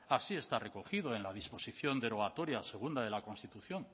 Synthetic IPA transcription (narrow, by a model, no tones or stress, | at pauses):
asie̞st̪are̞koxið̞oe̞nlaðispo̞siθjo̞nd̪eɾo̞at̪o̞ɾjase̞ɣ̞und̪aðe̞lako̞nst̪it̪uθjo̞ŋ